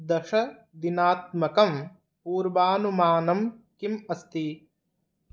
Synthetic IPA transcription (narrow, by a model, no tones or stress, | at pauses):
d̪ɐʂɐ | d̪inaːt̪̚mɐkɐm | puːɾbaːnumaːnɐmkimɐst̪i